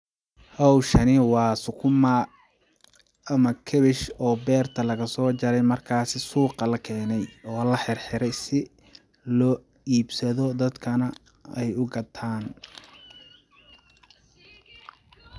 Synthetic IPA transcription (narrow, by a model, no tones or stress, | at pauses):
hɔwʃɐnɪwɑːsʊkʰʊma | mɐkʰɛβɪʃɔːbɛːrt̪ʰɐlɐɣɐsɔːt͡ʃɐɾɛjmɐrkʰaːsɪsuːqɑlɐkʰɛːnɛjɔːlɐħɪrħɪɾɛjsɪ | lɔː | iːbsɐðɔd̪ɐd̪kʰɐnɐ | ɛjʊɡɐt̪ʰaːn